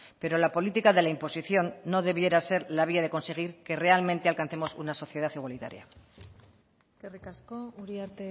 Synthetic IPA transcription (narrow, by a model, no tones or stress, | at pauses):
pe̞ɾo̞lapo̞lit̪ikaðe̞laimpo̞siθjo̞nːo̞ðe̞β̞je̞ɾase̞ɾlaβ̞iaðe̞ko̞nse̞ɣ̞iɾke̞re̞almẽnt̪ealkan̟θe̞mo̞sṵnaso̞θje̞ð̞aθiɣwalit̪a̰ɾja̰ | eskerikaskouɾiaɾt̪e